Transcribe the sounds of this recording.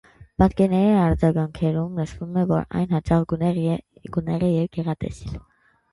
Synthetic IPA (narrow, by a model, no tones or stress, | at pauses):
bɑt̪kɛɾnɛɾiɑɾd͡zɑɡɑŋkʰɛɾumnəʃvumɛvɔ̰ɾɑ̰jnhɑt͡ʃɑʁɡ | ɡ̥unɛʁɛjɛvɡɛʁɑt̪ɛ̰sil